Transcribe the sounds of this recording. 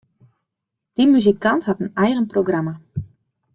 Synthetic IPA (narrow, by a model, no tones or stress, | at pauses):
d̥imyzikanthatənɛjɣənproɡrama